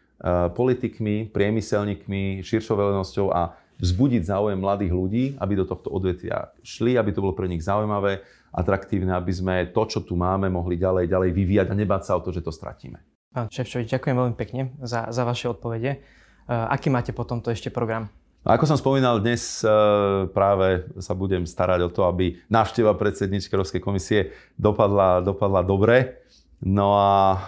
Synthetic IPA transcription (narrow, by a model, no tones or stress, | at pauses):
pɔlit̪ikmipɾɪɛmisɛlɲiːkmiʃiɾʃɔʋɛlɛnɔscɔʊa̰ | vzbuɟiɟzaːujɛmːlad̪iːɣluɟiːabid̪ɔt̪ɔxt̪ɔɔd̪ʋɛt̪ʋɪa̰ʃliabit̪ɔbɔlɔpɾɛɲiɣzaujmaʋɛː | ʔa̰t̪ɾakt̪iːʊnɛabizmɛt̪ɔt͡ʃɔt̪umaːmɛmɔɦliɟalɛjɟalɛjʋiʋiːjaɟaɲɛbaːcsaɔt̪ɔʒɛt̪ɔst̪ɾa̰cḭːmɛ | paːnʃɛft͡ʃɔʋid͡ʒɟakʊjɛmʋɛlmipɛkɲɛzazaʋaʃɛɔt̪̚pɔʋɛɟɛ | ʔa̰kiːmaːcɛpɔt̪ɔmt̪ɔɛʃcɛpɾɔɡɾam | na̰kɔsɔmspɔmiːnald̪ɲɛs | pɾaːʋɛsabuɟɛmst̪aɾaɟɔt̪ɔabinaːʊʃcɛʋapɾɛt̪sɛd̪ɲiːt͡ʃkɛʊɾɔpskɛjkɔmisiɛ | d̪ɔpad̪lad̪ɔpad̪lad̪ɔbɾɛ | nɔa